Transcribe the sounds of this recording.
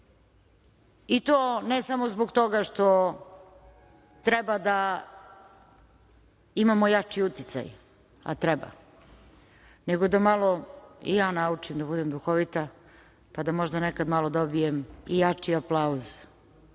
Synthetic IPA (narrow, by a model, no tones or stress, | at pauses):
it̪oːnesamozboɡt̪oɡaʂt̪o | t̪ɾɛbad̪a | imamojat͡ʂiut̪it̪sa̰j | a̰t̪ɾɛba̰ | neɡod̪amalˠoḭjaːnaut͡ʂimd̪abud̪emd̪uxoʋit̪a | pad̪amoʒd̪anekad̪malˠod̪obijemijat͡ʂiaplˠauz̥